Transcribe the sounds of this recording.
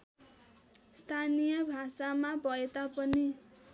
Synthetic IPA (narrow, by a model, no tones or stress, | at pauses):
st̪ʰanijʌbʱasamabʌet̪apʌni